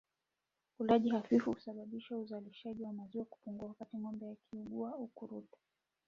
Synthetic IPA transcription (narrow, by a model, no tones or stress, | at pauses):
ulaʄihafifuu̥saɓaɓiʃauzaliʃaʄiwamaziwaku̥puŋɡuawakatiŋɔmbɛjakʰiuɡuaaukuɾutḁ